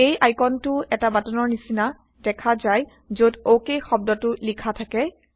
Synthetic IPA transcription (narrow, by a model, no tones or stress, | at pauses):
ejʔajkɔntʊɛtabatɔnɔɹnisina | d̥ɛkʰazaj | zodowkejxɔb̚dɔtʊlikʰatʰakɛ